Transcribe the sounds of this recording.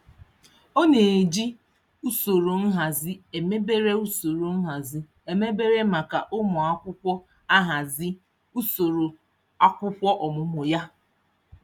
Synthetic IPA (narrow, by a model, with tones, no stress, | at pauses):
o˦ne˨d͡ʒi˦ | u˦so˨ɾo˨n̩˦ɦa˨zɪ˦e˨me˦be˦ɾe˦u˦so˨ɾo˨n̩˦ɦa˨zɪ˦ | e˨me˦be˦ɾe˦ma˨ka˨ʔʊ˦mɔ˨a˦kʷʊ˦kʷɔ˦ | a˦ɦa˨zɪ˦ | u˦so˨ɾo˨ | a˦kʷʊ˦kʷɔ˦ʔɔ˨mʊ˨mʊ˨ja˦